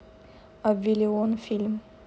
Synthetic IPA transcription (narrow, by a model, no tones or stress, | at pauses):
abvilʲeonfilʲm